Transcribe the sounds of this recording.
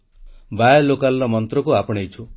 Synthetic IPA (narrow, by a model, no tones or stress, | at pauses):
bajɔlokalɾɔmɔnt̪ɾɔkuapɔɽ̃ejt͡ʃʰu